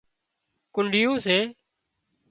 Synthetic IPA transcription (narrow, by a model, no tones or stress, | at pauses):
kʊɳɖɪjõːseː